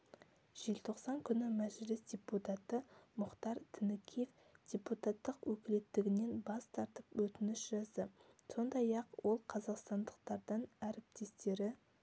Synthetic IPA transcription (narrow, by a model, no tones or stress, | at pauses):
ʒ̥elt̪ʰo̞qsɑŋkʲʰʏnɪmæʒlɪsd̪ʲe̞put̪ɑt̪əmʊχt̪ɑɾt̪ʰɪnɪkʲʰijef | d̪̥ʲeput̪ɑt̪ːəqwɵkʲɪle̞t̪ːɪɡʲɪne̞nbɑst̪ʰɑɾt̪əpwɵt̪ɪnɪʃʒɑzd̪əso̞nd̪ɑjɑqwo̞lˠqʰɑzɑqst̪ɑnd̪əq̚t̪ɑɾd̪əɴæɾɪp̚t̪e̞st̪e̞ɾɪ